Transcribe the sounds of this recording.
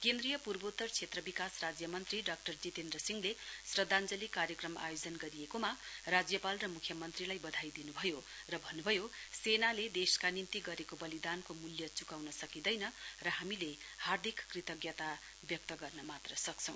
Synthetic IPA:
kend̪rijʌpurbot̪ːʌrt͡sʰet̪rʌbikasrad͡zjʌmʌnt̪riɖʌk̚ʈʌrd͡zit̪end̪rʌsiŋlesrʌd̪ʱand͡zʌlikarjʌkrʌma̰jod͡zʌnɡʌɾijekomarad͡zjʌpalrʌmukʰjʌmʌnt̪rilajbʌd̪ʱajd̪inubʱʌjo | rʌbʱʌnːubʱʌjosenaled̪eskanint̪iɡʌɾekobʌlid̪ankomuljʌt͡sukawnʌsʌkid̪ʌjnʌrʌɦamile | hard̪ʱikːrit̪ʌɡjʌt̪a | bjʌk̚t̪ʌɡʌrnʌmat̪rʌsʌk̚t͡sʰʌ̃w̃

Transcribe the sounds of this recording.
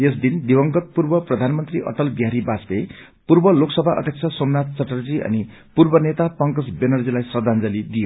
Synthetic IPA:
esd̪ind̪ibʌŋɡʌt̪̚purbʌprʌd̪ʱanmʌnt̪riʔʌ̰ʈʌlbiɦaɾibasbe | purbʌloksʌbʱaʔʌ̰d̪ʱjʌk̚t͡sʰʌsomnat̪̚t͡sʌʈʌrd͡ziʔʌ̰ni | purbʌnet̪apʌŋkʌsbenʌrd͡zilajsrʌd̪ʱand͡zʌlid̪ijo

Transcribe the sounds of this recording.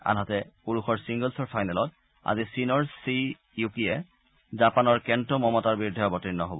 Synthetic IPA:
a̰nɦatɛpuɹuxɔɹsiŋɡəlsɔɹpʰajnalɔt̚ | a̰zisinɔɹsi | jukiɛ | zapanɔɹkɛntɔmɔmɔtaɹbiɹdʱɔjɔbɔtinːɔɦo̰bɔ

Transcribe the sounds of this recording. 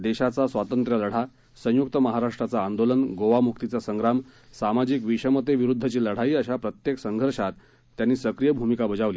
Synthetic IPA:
d̪eɕat͡sasʋat̪ənt̪ɾələɽ̤a | sə̃jukt̪əməɦaɾaʂʈɾat͡saːnd̪olənɡoʋamukt̪it͡sasəŋɡɾamsamad͡ʑikʋiɕəmət̪eʋiɾud̪ʱːət͡ɕiːləɽ̤aiːəɕapɾət̪jeksəŋɡʱəɾʂat̪ː | janːiːsəkɾijəbʱumikabəd͡zaʋli

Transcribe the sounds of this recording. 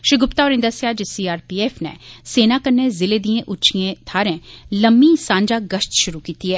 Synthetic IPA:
ʃɪɡʊpt̪aːoːɾɪ̃nd̪əsjaːd͡ʒesiːaːɾpiːeːpʰnɛ̰ːseːnaːkənːeːzɪleːd̪ĩẽːʔʊt͡ʃʰiẽːt̪ʰaːɾɛ̃ːləmːiːsãːɲd͡ʒaːɡəʃt̪ʃʊɾuːkiːt̪iːɦɛː

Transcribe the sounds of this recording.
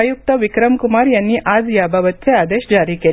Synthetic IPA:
juk̚t̪əʋikɾəmkumaɾjanːiːʔad͡zjabʱaʋət̪̚t͡sead̪eɕd͡zaɾiːkel

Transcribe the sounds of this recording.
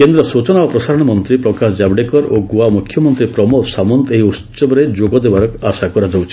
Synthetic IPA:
kend̪ɾɔsut͡ʃɔnaɔpɾɔsaɾɔɽ̃ɔmɔnt̪ɾipɾɔkasd͡ʒabɖekɔɾoɡuamukʰjɔmɔnt̪ɾipɾɔmɔsamɔnt̪eɦiut͡ʃɔbɔɾed͡ʒoɡɔd̪ebaɾɔkasakɔɾad͡ʒɔwt͡ʃʰi̥

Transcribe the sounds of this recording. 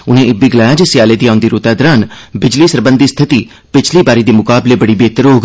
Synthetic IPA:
ʊnẽːʔɪbiɡɪlaːjad͡ʒesɪjaːleːd̪iːaːʊ̃nd̪iːɾoːt̪aːd̪ɾaːnbɪd͡ʒliːsəɾbə̃nd̪iːst̪ʰɪt̪iː | pɪt͡ʃʰliːbaːɾiːd̪eːmʊkaːbleːbəɽiːbeːt̪əɾoːɡ

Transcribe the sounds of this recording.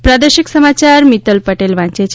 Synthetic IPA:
pɾad̪əɾʃiksəmat͡ʃaɾmit̪əlpəʈelʋãɲt͡ʃet͡ʃʰ

